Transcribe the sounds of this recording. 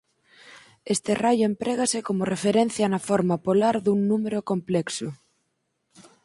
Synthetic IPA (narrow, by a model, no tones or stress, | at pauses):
est̪erajʊempɾeɣasɪkomorefeɾen̟θjanɐfoɾmɐpolaɾðuŋnumeɾokomplɛksʊ